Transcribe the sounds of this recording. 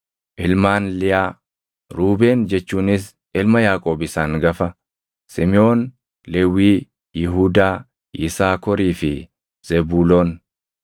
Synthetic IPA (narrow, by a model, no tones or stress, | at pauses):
ʔɪlmaːnlɪjaː | ɾuːbe̞ːnd͡ʒɛt͡ʃːuːnɪs̬ | ʔɪlmɐjaːkʼo̞ːbɪsaːŋɡɐfɐ | sɪmɪo̞ːn | lɛwiː | jɪɦuːd̪aː | ʔɪsaːkɔɾiːfɪ | z̥ɛbuːloːn